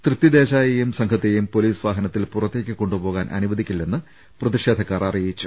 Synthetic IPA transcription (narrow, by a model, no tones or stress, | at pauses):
t̪rɨt̪jɐd̪e̞ːɕaːjejumsɐŋkʰɐt̪ːejumpo̞liːsʋaːɦɐnɐt̪ːilpurɐt̪ːe̞ːkʲːɨko̞ɳɖubo̞ːɣaːnʔɐ̰nuʋɐd̪ʱikʲːilːenːɨ | prɐt̪iʂeːd̪ʱɐkːaːrɐrijit͡ɕːu̥